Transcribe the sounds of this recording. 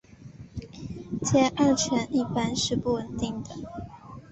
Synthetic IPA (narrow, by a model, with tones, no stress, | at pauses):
t͡ɕjɛ˥˧ʔa˥˩t͡ɕʰɥɛ˧˥ni˥˩pa˥nʂɻ̩˥˧pu˥˩wə˨˩nt̪i˥˩ŋd̪ə˩